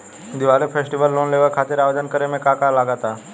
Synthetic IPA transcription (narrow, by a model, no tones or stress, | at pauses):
d̪iʋalefʰesʈiʋəlːonleʋəɾkʰat̪iɾaʋd̪ənkəɾemekakalaɡat̪a